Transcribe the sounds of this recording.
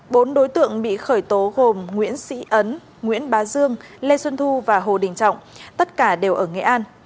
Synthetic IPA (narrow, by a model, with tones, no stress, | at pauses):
ɓo˨˦nɗo˨˦jt̪ɨ̰˧˨əŋɓḭ˧˨xəː˧˩jt̪o˨˦ɣo˨˩mŋwḭ˧˥ənsḭ˧˥ʔə˨˦n | ŋwḭ˧˥ənɓaː˨˦zɨ˧əŋle˧swə˧nt̪ʰu˧vaː˨˩ɦo̰˧˨˩ɗï˨˩ŋ̟t͡ɕɔ̰˧˨wŋ͡mt̪ə˦˥t̚kaː˧˩ɗe˨˩wʔəː˧˩ŋɛ̰˧˨ʔaː˧n